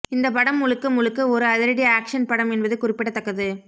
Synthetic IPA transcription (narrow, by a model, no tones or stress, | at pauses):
ɪnd̪ɐp̬ɐɽɐmːʊɭɯkːɯmʊlɯkːɯɔɾɯɐðɪɾɐɽɪjaːkʂɐnpɐɽɐmɛnbɐðɯkʊrɪpːɪɽɐt̪ːɐkːɐðɯ